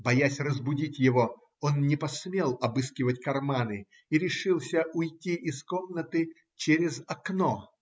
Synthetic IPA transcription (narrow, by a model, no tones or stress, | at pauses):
bɐjasʲrəzbʊdʲitʲjɪvo | onnʲɪpɐsmʲelˠɐbɨskʲɪvətʲkɐrmanɨ | iɾʲɪʂɨlˠsʲəʔʊjtʲiʔɪskomnət̪ɨ | t͡ɕeɾʲɪzɐkno